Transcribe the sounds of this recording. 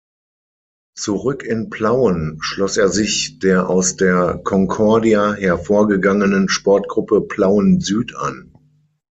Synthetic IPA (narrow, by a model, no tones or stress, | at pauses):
t͡suʁʏkɪnpʰl̥aʊənʃlɔseːɐzɪçd̥eːɐʔa̰ʊsd̥eːɐkʰɔŋkʰɔɐdiaɦɛɐfoːɐɡəɡaŋənənʃpɔɐtɡ̥ʁʊpəpʰlaʊənzyːtʰa̰n